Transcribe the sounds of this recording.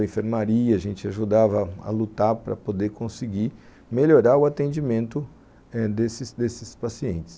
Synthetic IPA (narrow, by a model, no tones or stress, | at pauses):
ẽfeɾmaɾiɐɐʒẽnt͡ʃɪaʒud̪avɐɐ̰lut̪aɾpɾɐ̰pod̪eɾkõsɪɡi | meʎoɾaɾʊat̪ẽnd͡ʒimẽnt̪ʊ | ɛd̪esɪsd̪esɪspasiẽnt͡ʃɪ̥s